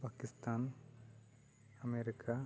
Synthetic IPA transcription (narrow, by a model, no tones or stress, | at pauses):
paːkɪst̪aːn | ɐmeɾikʰa